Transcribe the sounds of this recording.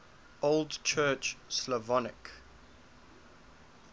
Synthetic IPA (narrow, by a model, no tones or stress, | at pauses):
olˠdt͡ʃʰɜːt͡ʃslɔvɔnɪ̰k